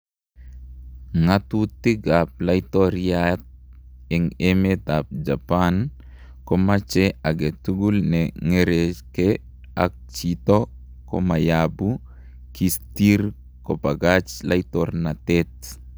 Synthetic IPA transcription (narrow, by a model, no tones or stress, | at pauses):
ŋat̪ut̪iɡap̚lajtɔɾjat̪̚ɛŋɛmet̪ap̚d͡ʒapan | kɔmat͡ʃɛaɡɛtuɡulnɛŋeɾekɛ | ak̚t͡ʃit̪o | kɔ̰majabu | kistiɾ | kopaɡat͡ʃlajt̪ɔrnat̪ɛt̚